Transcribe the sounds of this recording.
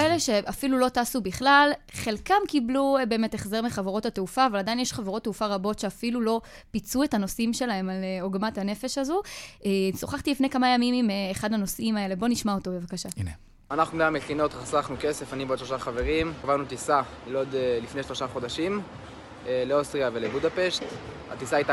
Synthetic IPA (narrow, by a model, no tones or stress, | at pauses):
eleʃe̞afilulo̞taːsubiχlalχe̞lkamkiblube̞ːmeteχze̞ʁmiχaveʁo̞tateufaːvaladainjeʃχaveʁo̞t̪ːeufaʁabo̞tʃeafilulo̞ | pit͡sue̞tano̞simʃe̞lahemaleoɡmathane̞fe̞ʃazuʔeso̞χaχt̪ilifne̞jkamajamimimeːχadhano̞simae̞le̞bo̞niʃmaotobe̞vakaʃane | anaχnulaameχino̞tʁasaχnukesefaniboʃlo̞ʃaχave̞ʁimavanut̪isa | ilod̪elifneʃlo̞ʃaχo̞daʃim | leostʁiavelebudapeʃt | a̰t̪isaajta